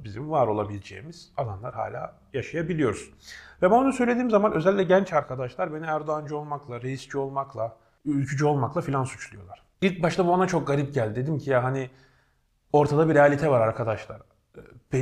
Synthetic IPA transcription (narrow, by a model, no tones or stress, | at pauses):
bizimvaɾo̞lˠabilʲed͡ʒḛːimiz̥alˠanlˠaɾɦa̰ːlʲa̰ː | jaʃajabilʲijo̞ɾuz̥ | vɛmanonusø̞jlʲed̪iːmzamanʔø̞zɛlʲicʲlʲɛɟænt͡ʃaɾkʰad̪aʃlˠaɾbe̞niæɾd̪oand͡ʒyo̞lˠmaklˠaɾejisd͡ʒio̞lˠmaklˠa | ylʲcʰyd͡ʒyo̞lˠmaklˠafilʲansyt͡ʃʰlˠujo̞lˠaɾ̥ | ilʲc̚baʃt̪ʰabuanat͡ʃʰo̞k̚ɡaɾip̚ɟælʲd̪e̞d̪imcʰijaɦani | o̞ɾt̪ʰad̪abiɾealʲit̪ʰɛvaɾaɾkʰad̪aʃlˠa̰ɾ | b̥e